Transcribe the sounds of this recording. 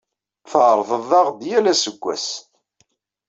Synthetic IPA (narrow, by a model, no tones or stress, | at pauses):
θʕɾˤvəðˤɑʁd̪jælæsəɡʷːæ̰s